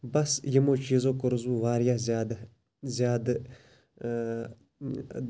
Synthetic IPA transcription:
bɐsjimoːt͡ʃiːzoːkʊɾzuːʋaːɾjazad̪ | zjaːd̪

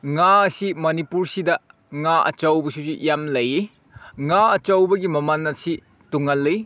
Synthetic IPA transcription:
ŋaɐsimɐnipuɾsidɐ | ŋaʔɐ̰t͡ʃɐwbɐsusijamlɐji | ŋaɐt͡ʃɐwbɐɡimɐmɐnːɐsi | tuŋɐlːɐj

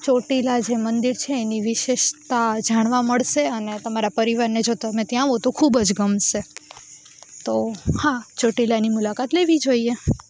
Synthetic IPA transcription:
t͡ʃoʈilad͡ʒemənd̪iɾt͡ʃʰeːniʋɪʃeʃt̪ad͡ʒaɽ̃ʋaməɭʃeənet̪əmaɾapəɾiʋaɾned͡ʒot̪əmẽt̪jãɦot̪okʰubəd͡ʒɡəmʃe | t̪ohat͡ʃoʈilanimulakat̪leʋid͡ʒoie

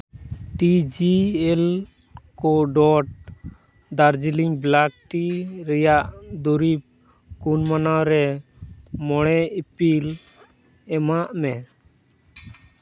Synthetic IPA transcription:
ʈid͡ʒiɛl | kɔɖɔʈ̚ | d̪aɾd͡ʒiliŋblak̚ʈiɾɛjaʔd̪uɾip̚ | kunmanaɾɛ | mɔɽ̃ɛipil | ɛmaʔmɛ

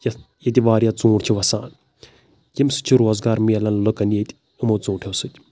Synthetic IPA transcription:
jɐ | jɐt̪ʲiʋaːɾjat͡sũːʈt͡ʃʰiʋɐsa̰ːn | jimsɨ̥t͡ʃʰiɾoːzɡaːɾmiɐlɐnlokɐnjet̪ʲ | umot͡sũːʈʰewsɨt̪ʲ

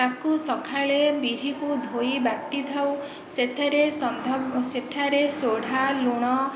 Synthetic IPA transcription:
akusɔkʰaɭebiɾ̤ikud̪ʱoibaʈːit̪ʰaw | set̪ʰaɾesɔnd̪ʱɔset̪ʰaɾesoɽ̤ʱaluɽ̃ɔ

